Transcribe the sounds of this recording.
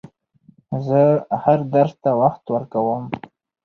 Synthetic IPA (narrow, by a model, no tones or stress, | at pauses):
zəhaɾd̪aɾzt̪awaxt̪wəɾkawəm